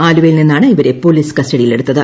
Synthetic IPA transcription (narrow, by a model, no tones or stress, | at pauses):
aːluʋɐjilninːaːɳɨiʋɐɾe̞po̞ːliːsɨ̥kɐsʈɐɽijile̞ɽut̪ːɐðɨ